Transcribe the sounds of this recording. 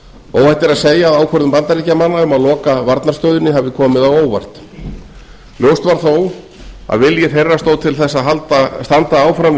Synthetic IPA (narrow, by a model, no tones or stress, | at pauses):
o̰ːwvajt̪ɛɾaðseːjaːðaːwkʰœɾðʏmpant̪aɾicamanːaʏmaðlɔːkavaɾt̪naɾ̥rst̪œɥðɪnːɪɦavðɪkʰɔːmɪðawoːwvajr̥t̪ | ljowst̪vaɾ̥θow | a̰ðvɪljɛθejrːast̪owt̪ʰɪlθɛsːaðɦalt̪ast̪ant̪aaːwfɾam